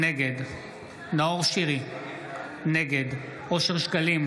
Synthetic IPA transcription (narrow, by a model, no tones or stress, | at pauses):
neɡed̪ | naoʁʃiʁi | neɡed̪ | ʔo̞ʃeʁʃkalim